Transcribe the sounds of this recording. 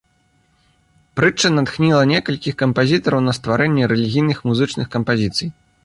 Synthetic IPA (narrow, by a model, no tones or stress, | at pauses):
pɾɨt͡ʂːɨnat̪xnʲilˠɐnʲɛkɐlʲkʲixkɐmpazʲit̪ɐɾɐwnɐst̪vaɾɛnʲːɛɾɛlʲiɣʲijnɨxmuzɨt͡ʂnɨxkɐmpazʲit̪sɨj